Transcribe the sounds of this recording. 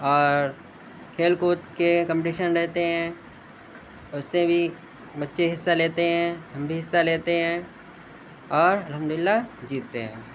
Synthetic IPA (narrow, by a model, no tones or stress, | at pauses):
ɔːɾ | kʰeːlkoːt̪kekə̃mpʈiːʃənɾɛɦt̪eɦɛ̃ | ʊsːebʱi | bɐtːʃeɦɪsːaleːt̪eɦɛ̃ɦɐ̃mbʱiɦɪsːaleːt̪eɦɛ̃ː | ɔːɾɐlɦə̃md̪ʊlɪlːad͡ʒiːt̪ːeɦɛ̰̃ː